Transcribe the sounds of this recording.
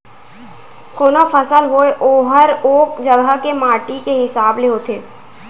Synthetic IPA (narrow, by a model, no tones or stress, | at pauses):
koːnofəsəlɦoeʔoːɦəɾoːkd͡ʒəɡəɦkemaːʈikeɦɪsaːbleɦoːt̪ʰeː